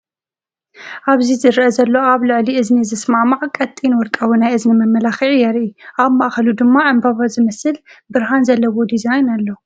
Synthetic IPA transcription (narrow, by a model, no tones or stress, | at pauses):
ʔaβzizɨɾʔɐzɐlːo̞aβlɨʕliɨznizɨsmamaʕkʼɐt̪ʼːinwɔɾt̪ʼawinajʔɨznimɐmːɐlaxiʕijɛɾʔiʔaβmaʔxɐlud̪ɨmːaʕɨmbaβazɨmɐsɨlbɨɾɦanzɐlːɐwod̪izajnalːo